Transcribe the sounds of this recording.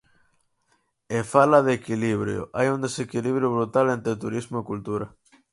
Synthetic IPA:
efalɐðekiliβɾjʊ̰ʔajund̪esekiliβɾjʊβɾut̪alent̪ɾet̪uɾizmʊekult̪uɾɐ

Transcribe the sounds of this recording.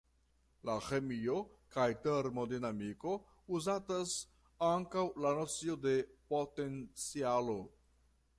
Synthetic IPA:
laxe̞mio̞kajteɾmo̞dinamiko̞ | uzatas | aŋkawlano̞t͡sio̞de̞po̞te̞nt͡sialo̞

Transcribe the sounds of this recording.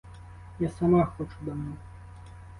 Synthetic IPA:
jasamaxɔt͡ʂud̪ɐmnɔ

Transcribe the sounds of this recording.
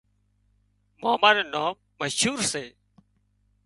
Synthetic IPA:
maːmaːɾeːnaːmːəʃuːɾseː

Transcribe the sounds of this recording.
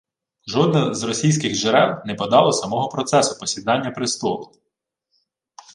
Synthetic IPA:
ʒɔd̪nɐzrɔsʲijsʲkɪɣʒeɾɛwnɛpɔd̪ɑlˠɐsɐmɔɦɔpɾɔt̪sɛsʊpɔsʲid̪ɑnʲːɐpɾɪst̪ɔlˠʊ

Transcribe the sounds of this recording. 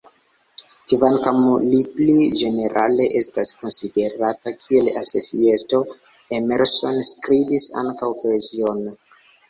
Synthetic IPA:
kivankamuliplid͡ʒe̞ne̞ɾʔale̞ʔe̞stasko̞nside̞ɾatakʰie̞lasosiesto̞ | emeɾso̞nskɾibisa̰ŋkawpo̞ezio̞n

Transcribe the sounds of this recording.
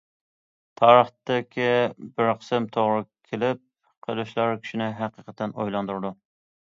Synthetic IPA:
t̪ʰɑːɾəχt̪ɪkʲʰibɪɾqʰə̥sɨmt̪ʰoʁɾɨkʲʰelɪp̚ | qʰəlˠuʃlˠɑɾkʲʰi̥ʃinɪɦæqəqʰə̥t̪ːɛno̰jlˠɑnd̪uɾɨd̪u

